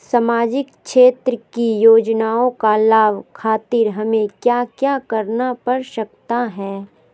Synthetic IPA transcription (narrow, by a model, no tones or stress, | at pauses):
samaːd͡ʒɪkʃeːt̪ɾəkijoːd͡ʒnaːõkalaːʋkʰaːt̪ɪɾɦɐmẽkjaːkjaːkɐɾnapɐɾʃɐkt̪aɦɛː